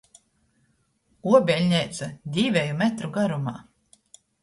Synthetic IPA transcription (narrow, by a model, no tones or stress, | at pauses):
uɔbʲɛlʲɲʲɛjt̪sad̪ʲiːvʲɛjumɛt̪ɾuɡaɾuma̰ː